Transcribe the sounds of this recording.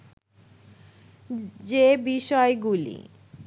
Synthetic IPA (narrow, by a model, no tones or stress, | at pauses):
d͡ʑebiʃɔeɡulḭ